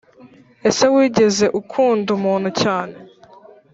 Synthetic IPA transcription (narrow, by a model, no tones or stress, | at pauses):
e̞se̞wiːɟe̞ze̞ʔukʰuːndumuːn̥hucaːne̞